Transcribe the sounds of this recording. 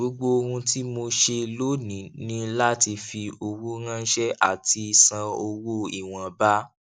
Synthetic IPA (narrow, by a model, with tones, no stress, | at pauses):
o˨˦ɡ͡bo˦o˧ɾũ˧ti˦mo˧ʃe˧lo˦nĩ˨nĩ˨˦la˦ti˧fi˧o˧wu˦ɾã˦ʃɛ˦ʔa̰˨ti˧i˧sã˧o˧wo˦i˦˨w̃ã˨ba˦